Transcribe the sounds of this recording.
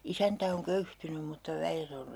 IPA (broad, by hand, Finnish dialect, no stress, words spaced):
isæntæ oŋ køyhtynym̆ mutːɑ ʋæjet or